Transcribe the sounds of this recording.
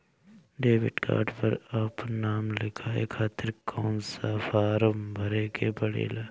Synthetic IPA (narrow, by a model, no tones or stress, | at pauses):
ɖeːʋɪɖka̰ːɾɖpɐɾaːpnaːmlɪkʰaːḛkʰaːt̪ɪɾkʰoːnsafaːɾəmbʱɐɾeːkebɐɽḛːlaː